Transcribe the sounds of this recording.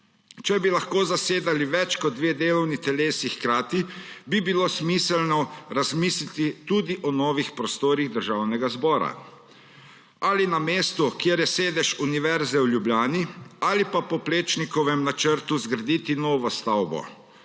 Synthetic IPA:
t͡ʃɛbilaxkoːzaseːd̪aliʋɛt͡ʃkɔd̪d̪ːʋeːd̪eːlɔwnit̪ɛleːsixkɾaːt̪ibibiloːsmiːsɛlnɔɾazmiːslit̪it̪ud̪iʔɔnɔːʋixpɾɔst̪oːɾiɣd̪əɾʒaːwnɛɡazbɔːɾa̰ | alinameːst̪ukjeːɾjɛseːd̪ɛʃuniʋɛɾzɛwlʲjubljaːnialipapɔpleːt͡ʃnikɔʋɛmnat͡ʃəɾt̪uzɡɾad̪iːt̪inɔːʋɔst̪awbɔ̰

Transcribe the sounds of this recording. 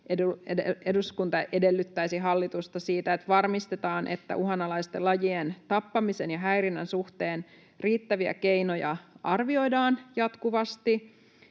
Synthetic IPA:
ʔeueeeduskunt̪ɑʔede̞lːyt̪ːæisiɦɑlːit̪ust̪ɑsiːt̪æet̪ʋɑrmist̪et̪ɑːnʔe̞̰t̪ːæ̰ʔuɦɑnɑlɑist̪elɑjient̪ɑpːɑmisenjɑɦæjrinːænsuht̪e̞ːn | riːt̪ːæʋiæ̰ke̞inojɑ̰ʔɑrʋio̞jdɑːnjɑt̪kuʋɑst̪i

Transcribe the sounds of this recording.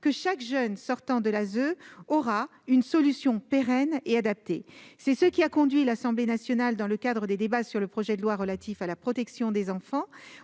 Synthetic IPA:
kəʃakʒœnsɔʁt̪ɑ̃d̪əlazøɔʁa | ynsɔlysjɔ̃peʁɛnead̪ap̚t̪ḛsɛsəkʲiakɔ̃d̪ɥilasɑ̃blenasjɔnald̪ɑ̃ləkad̪ʁəd̪ed̪ebasyʁləpχɔʒɛd̪əlwaʁəlat̪ʰifalapχɔt̪ɛksjɔ̃d̪ezɑ̃fɑ̃

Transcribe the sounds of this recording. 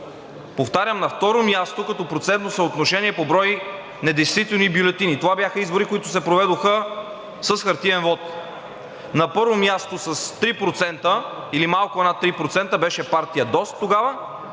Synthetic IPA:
poft̪aɾʲəmnɐft̪ɔɾomjast̪okɐt̪ɔpɾot̪sɛnt̪nosəot̪noʃɛniɛpobɾɔj | nɛd̪ɛjst̪vit̪ɛlˠnibjʊlɛt̪init̪ovabʲjaxəizboɾikoit̪ʊsɛpɾovɛd̪oxə | səsxɐɾt̪ivɛnvɔt̪ | nɐpɤɾvomjast̪osəst̪ɾipɾot̪sɛnt̪ə | ilimalˠkʊɛnat̪ːɾipɾot̪sɛnt̪əbɛʃɛpaɾt̪ijəd̪ɔst̪ːoɡavə

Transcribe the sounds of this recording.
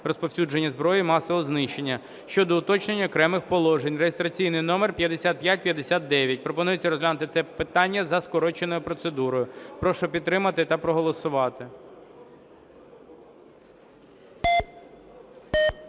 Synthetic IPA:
rɔspɔwsʲud͡ʒenʲːɐzbɾɔjimɑsɔʋɔznɪʃe̞nʲːɐ | ʃt͡ʃɔd̪ɔʊt̪ɔt͡ʃnenʲːɐɔkɾɛmɪxpɔlˠɔʒenʲreɦɪst̪ɾɐt͡sʲijnɪjnɔmerpʲjɐd̪esʲat̪̚pʲjat̚ʲpʲjɐd̪esʲat̪̚d̪ɛʋʲjɐt̚ʲpɾɔpɔnujet͡sʲːɐɾɔzɦlʲanʊt̪ɪtsɛpɪt̪ɑnʲːɐzɐskɔɾɔt͡ʃenɔjʊpɾɔt̪sed̪uɾɔjʊpɾɔʃɔpʲid̪̚t̪ɾɪmɐt̪ɪt̪ɐpɾɔɦɔlˠɔsʊʋɑt̪ɪ

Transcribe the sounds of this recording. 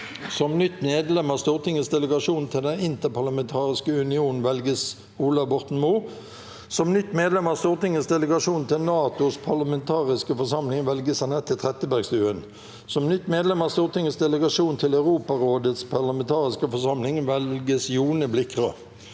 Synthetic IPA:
sɔmnʏt̪ːmeːd̪lɛmɑːst̪uːʁt̪ʰɪŋːəsd̪ɛləɡɑʂuːn̩t̪ʰɪld̪ɛnɪnt̪əpʰɑʁlɑmɛnt̪ʰɑːʁɪskəʉnɪuːnn̩ʋɛlɡəs | uːlɑʋbɔʁt̪n̩muː | sɔmnʏt̪ːmeːd̪lɛmɑːst̪uːʁt̪ɪŋːəsd̪ɛləɡɑʂuːnt̪ʰɪlnɑːt̪ʊspʰɑlɑmɛnt̪ʰɑːʁɪskəfɔsɑmlɪŋʋɛlɡəsænɛt̪ʰːɪlt̪ʰʁɛt̪əbæʁɡst̪ʉːən | sɔmnʏt̪ːmeːd̪lɛmɑːst̪uːʁt̪ɪŋːəsd̪ɛləɡɑʂuːnt̪ʰɪlɑʉʁuːpɑʁoːd̪ət̪spʰɑʁlɑmɛnt̪ʰɑːʁɪskəfɔsɑmlɪŋʋɛlɡəsjuːnəblɪkʁə

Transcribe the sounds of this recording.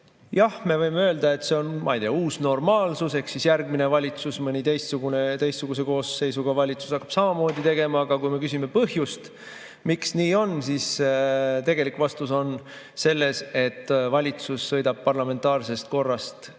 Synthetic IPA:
jɑhme̞vɤjmeø̞ːld̪̥ɑe̞t̪ːˑse̞o̞nmɑ̰ijd̪eːɑuːsno̞rmɑːlsuse̞hksisjærɡ̚mine̞vɑlʲit̪susmɤnʲit̪e̞jst̪suɡ̥unet̪e̞jst̪suɡ̥us̬e̞ko̞ːsːe̞jsuɡ̥ɑvɑlʲit̪su̥sɑkːɑ̥b̥sɑmɑmo̞ːd̪it̪e̞ɡe̞mɑːɡ̥ɑkujme̞kysime̞pɤɦjust̪ | miksniːo̞nsis | t̪e̞ɡ̥e̞likːˑvɑst̪uso̞n | se̞lːe̞se̞t̪ːvɑlʲit̪susːɤ̞jd̪ɑb̥̚pɑrlɑme̞nt̪ˑɑːrse̞st̪̚ko̞rːɑst̪

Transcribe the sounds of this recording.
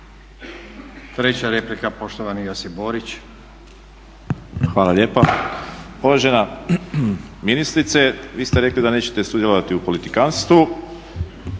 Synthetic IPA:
t̪ɾet͡ɕaɾeplikapo̞ʃt̪oʋanijasiboɾit͡ɕ | xʋaːlaʎje̞ːpa | oʋaʒena | minist̪ɾit̪se̞ʋiːst̪eɾe̞klid̪ane̞ːt͡ɕet̪e̞sud̪je̞lo̞ʋat̪iupolit̪ikanst̪ʋu

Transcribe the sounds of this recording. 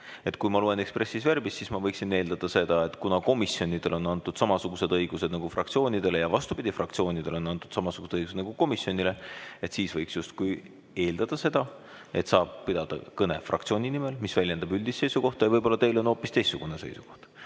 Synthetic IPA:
e̞t̪kujmɑluwene̞kspre̞sːisvæɾrbist̪ːsiːsmɑvɤjksine̞ːld̪ɑd̪̥ɑse̞d̪̥ɑe̞t̪kunɑko̞misio̞nʲid̪̥e̞lo̞nɑnt̪ːˑud̪̥sɑmɑsuɡ̥use̞d̪ɤjɡ̥use̞d̪̥̚nɑɡ̥ufrɑ̰kt̪sio̞ːnʲid̪̥e̞lejɑvɑst̪ub̥id̪̥ʲifrɑk̚t̪sio̞ːnʲid̪̥elo̞nɑnt̪ːˑud̪̥sɑmɑsuɡ̥u̥seɤjɡus̬ed̪nɑɡ̥uko̞misjo̞nʲile̞e̞t̪siːsvɤjksjust̪̚kuj | e̞ːld̪̥ɑd̪̥ɑse̞d̪ɑ | e̞t̪sɑːb̥̚pid̪ɑd̪̥ɑ̰kɤne̞̰frɑ̰kt̪sio̞ːnʲinime̞lmisvælʲjend̪̥ɑbylʲd̪̥isːe̞jsuko̞ht̪ɑjvɤjbo̞lːɑt̪e̞jlo̞no̞ːpːˑist̪e̞jst̪suɡ̥unese̞̰jsuko̞̥ht̪

